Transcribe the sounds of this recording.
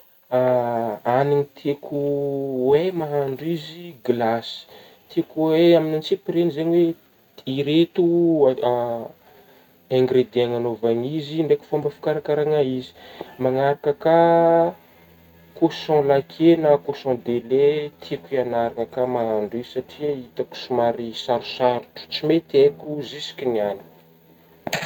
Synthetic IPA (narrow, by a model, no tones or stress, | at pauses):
aaniɲit̪ʰekʰuwemaɦaɳɖ͡ʐiziɡlasi̥ | t̪ʰekuweaminant͡sipiɾenizeɲwe | iɾet̪u | ɛ̃ŋɡɾed̪eaŋanovaŋiziɳɖ͡ʐeku̥fõmbəfi̥kaɾakaɾaŋaizi̥maŋaɾakəka | kosɔ̃lakʰenakosɔ̃d̪elet̪ʰikianaɾaŋəkamaaɳɖ͡ʐizsaʈ͡ʂiait̪aku̥sumaɾisaɾu̥saɾuʈ͡ʂu̥t͡simet̪ekʲuzisi̥kʲiniani̥